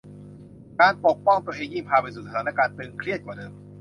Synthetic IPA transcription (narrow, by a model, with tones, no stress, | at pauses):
kaː˧npo˨˩k̚pɔ˥˩ŋt̪u˧əʔeː˧ŋjiː˥˩ŋpʰaː˧pa˧suː˨˩sa˨˧aː˨˦na˧˥˩kaː˧nt̪ɯː˧ŋkʰɾi˥˩t̪̚kaː˨˩dɤː˧m